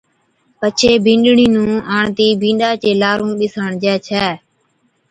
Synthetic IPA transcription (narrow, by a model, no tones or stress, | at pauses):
pət͡ʃʰeːbʱĩːɳɗɳĩːnũːaːɳt̪iːbʱĩːɗaːt͡ʃeːlaːɾũːɓɪsaːɳd͡ʒɛːt͡ʃʰɛː